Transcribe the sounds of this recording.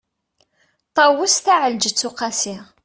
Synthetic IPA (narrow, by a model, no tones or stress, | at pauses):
t̪ˤɑwʊsθæʕəld͡ʒət͡sːʊqɑsɪʁ